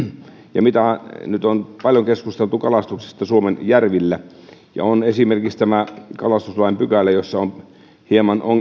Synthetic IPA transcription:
jɑmit̪ænyt̪onpɑljoŋkeskust̪elt̪ukɑlɑst̪ukse̥st̪ɑsuomenjærʋilːæ | jɑ̰onesimerkikst̪æmækɑlɑst̪uslɑimpykælːæjosːɑon | hiemɑnoŋ

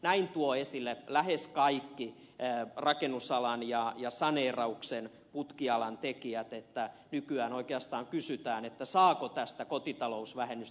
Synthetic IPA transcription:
næint̪uoesilːelæheskɑikːi | rɑkenːˑusɑlɑnjɑjɑsɑneːrɑuksen | put̪kiɑlɑnt̪ekiæt̪et̪ːænykyæːnoikeɑst̪ɑːŋkysyt̪æːnet̪ːæsɑːkot̪æst̪ækot̪it̪ɑlousʋæhenːys

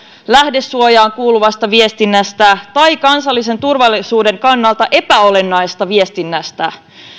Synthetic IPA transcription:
læhde̞sːuojɑːŋkuːluʋɑst̪ɑʋie̞st̪inːæst̪æt̪ɑjkɑnsɑlːis̬e̞nt̪urʋɑlːisuːde̞ŋkɑnːɑlt̪ɑʔe̞pæo̞le̞nːɑjsest̪ɑʋie̞st̪inːæst̪æ

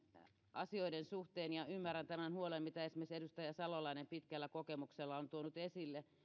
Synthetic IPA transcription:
ɑ̰sioidensuht̪eːnjɑymːærːˑænt̪æmænhuolemmit̪æesmiesedust̪ɑjɑsɑlolɑinempit̪kælːækokemukselːɑont̪uonut̪esilːe

